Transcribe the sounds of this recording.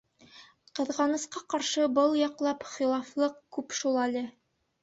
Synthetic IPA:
qɤ̆ðʁɑnɤ̆sqɑqɑɾʃɤbɤlˠjɒqlˠɑpχilˠɑflˠɤqkʉpʃulˠælɘ

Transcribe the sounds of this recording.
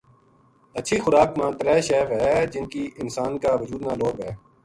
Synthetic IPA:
ətːʃʰixʊɾaːkmãːt̪əɾɛːʃɛːʋɦɛːd͡ʒɪnkiːʔɪnsaːnkaʋəd͡ʒuːd̪naːloːɡɦɛː

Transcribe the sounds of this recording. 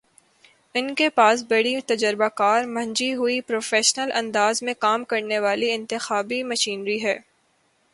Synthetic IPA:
ɪnkepaːs̬bɐɽit̪ɐd͡ʒəɾbakaːɾmɐ̃ɲd͡ʒiɦʊipɾoːfeːʃnəlʔɐ̃nd̪aːzmẽkaːmkɐɾneʋaːliɪ̃nt̪ɪxaːbimɐʃiːnɾiɦɛː

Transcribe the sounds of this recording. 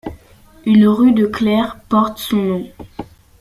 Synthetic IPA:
ynʁyd̪əklɛʁpɔʁt̪sɔ̃nɔ̃

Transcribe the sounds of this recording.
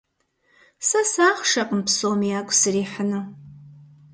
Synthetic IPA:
sɐsaːχʃɐqəmpsoːmijaːkʷʼsɨriːħənɨ

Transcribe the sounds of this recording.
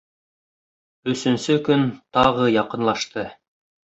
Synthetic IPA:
ɵ̆sɵ̆nsɵkɵnt̪ɑʁɤjɑqɤ̆nlˠɑʃt̪ɤ

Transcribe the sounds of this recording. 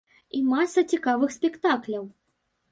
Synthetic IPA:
imasːɐt͡sʲikavɨxsʲpʲɛkt̪aklʲɐw

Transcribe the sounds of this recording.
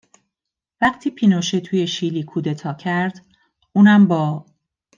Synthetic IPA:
væqt̪ʰiːpʰiːnoʃet̪ʰuːjeʃiːliːkʰuːd̪et̪ʰɒːcʰæɾd̪̥ | uːnæmbɒː

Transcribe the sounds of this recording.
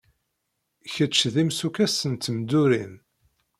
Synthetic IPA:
çət͡ʃːðimsukæsənt̪md̪uɾin

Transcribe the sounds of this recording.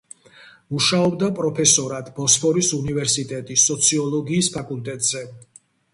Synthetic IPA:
uʃaɔbd̪apʼɾɔpʰɛsɔɾad̪̥bɔspʰɔɾisunivɛɾsit̪ʼɛt̪ʼisɔt̪sʰiɔlˠɔɡiːspʰakʼult̪ʼɛt̪ʼz̥ɛ

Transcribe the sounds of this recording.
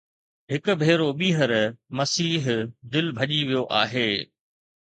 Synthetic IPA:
ɦɪkʊ̆bʱeːɾoɓiːɦəɾmɐsiːɦd̪ɪlbʱɐʄiʋijoʔa̰ːɦeː

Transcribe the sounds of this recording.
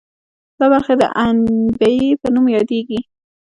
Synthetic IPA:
d̪̥ɑbaɾxad̪ə̰ʔanbajipənumjɑd̪eɡi

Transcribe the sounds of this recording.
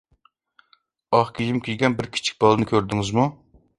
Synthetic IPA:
ɑχkʲʰijimkʲʰiɡʲɛnbɪɾkʲʰi̥t͡ʃʰi̥k̚ʲb̥ɑlˠɨnɨkʲʰøɾd̪ɪŋɪzmu

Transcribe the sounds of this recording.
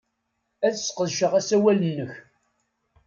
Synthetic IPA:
æθsqəðʃəʁæsæwælənːəç

